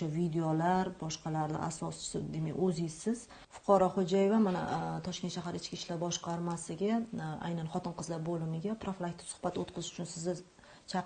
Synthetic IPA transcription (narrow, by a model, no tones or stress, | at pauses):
ʃavid̪eolaɾbɒʃqʰɑlaɾnɪ̰ʔa̰sɒst͡ʃɪ̥sɪd̪ema̰jɵzɪsɪz̥ | fʊ̥qʰɒɾɒχod͡ʒajevamana̰t̪ʰɒʃkʲe̞nʃaɦaɾɪt͡ʃkʲiʃlaɾbɒʃqʰɑɾmasɪɡʲaa̰jnanχɒt̪ɪnqʰɨzlaɾbolɪmɪɡʲapʰɾoflˠak̚ʲt̪ːɪ̥sʊ̥χb̥at̪ot̪̚qʰɨzɪʃʊt͡ʃʰʊnsɪzɪ | t͡ʃʰɑ